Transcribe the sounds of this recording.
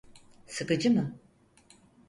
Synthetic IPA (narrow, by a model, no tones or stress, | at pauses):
sɯkɯd͡ʒɯmɯ